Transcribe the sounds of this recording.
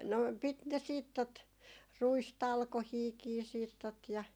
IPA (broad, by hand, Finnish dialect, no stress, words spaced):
no pit ne siːt tot ruistɑlkohiːkiː siːt tot jɑ